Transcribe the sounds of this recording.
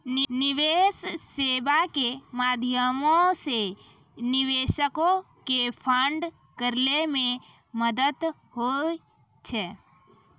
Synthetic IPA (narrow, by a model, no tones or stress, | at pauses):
nnɪʋeːsːeːbakemaːd̪ʱjəmõse | nɪʋeːʃəkõ | kepʰəɳɖ | kəɾlemẽ | məd̪ət̪ | ɦo | t͡ʃʰɛ